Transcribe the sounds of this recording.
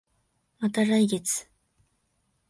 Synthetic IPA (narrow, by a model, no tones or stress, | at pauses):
mat̪aɾaiɡet͡sɨ̥